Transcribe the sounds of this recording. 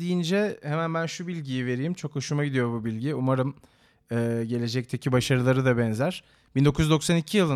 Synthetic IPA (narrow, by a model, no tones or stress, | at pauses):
d̪ijind͡ʒɛhemænbænʃubilʲɟijive̞ɾijimt͡ʃʰo̞kɯʃumaɟid̪ijo̞bubilʲɟiumaɾɯm | ɛːɟe̞lʲe̞d͡ʒɛc̚t̪ʰecʰibaʃaɾɯlˠaɾɯd̪abɛnzæɾ̥ | b̥ind̪o̞kʰuzd̪o̞ksanicʰijilˠɯ